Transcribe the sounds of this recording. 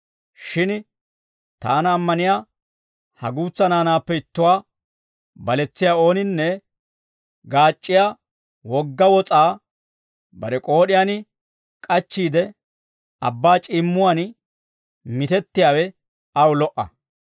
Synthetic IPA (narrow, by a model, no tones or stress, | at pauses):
ʃɪn | t̪a̰ːnɐːmːɐnɪjaː | hɐɡuːt͡sːɐnaːnaːpːɛɪt̪ːʊwaː | bɐlɛt͡sːɪjaːo̞ːnɪnːɛ | ɡaːt͡ʃʼːɪjaː | wɔɡːɐwɔt͡sʼaː | bɐɾɛkʼo̞ːɗɪjanɪ | kʼɐt͡ʃːiːd̪ɛ | ɐbːaːt͡ʃʼɪmːʊwaːn | mɪt̪ɛt̪ːɪjaːwɛ | ɐwʊlɔʔːɐ̰